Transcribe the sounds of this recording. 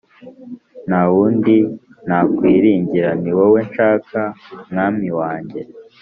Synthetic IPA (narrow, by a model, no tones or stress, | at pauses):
nawuːndi | nakwiːɾiːɲɟiɾaniwowe̞nʃaːkamŋaːmiwaːɲɟe̞